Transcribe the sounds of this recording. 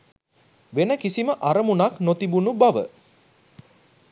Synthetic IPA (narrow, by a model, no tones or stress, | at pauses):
ʋenəkisiməʔaɾəmunaknot̪ibunubaʋə̰